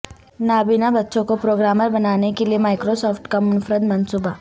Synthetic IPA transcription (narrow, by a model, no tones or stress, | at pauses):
naːbinabɐtːʃõkopɾoːɡɾaːməɾbɐnaːnekeliemaːɪkɾosɔːfʈkamʊnfɾəd̪mɐnsuːba